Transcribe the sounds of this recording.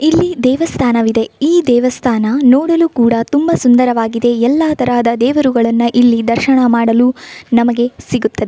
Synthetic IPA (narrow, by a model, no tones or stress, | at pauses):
ilːid̪ɛːʋɐst̪ʰaːnɐʋid̪e̞iːd̪ɛːʋɐst̪ʰaːnɐnɔːɽɐlukuːɽɐt̪umbɐsund̪ɐɾɐʋaːɡid̪e̞ɛlːaːt̪ɐɾaːd̪ɐd̪ɛːʋɐɾuɡɐɭɐnːuʔilːid̪ɐɾʃɐɳɐmaːɽɐluːnɐmɐɡe̞siɡut̪ːɐd̪e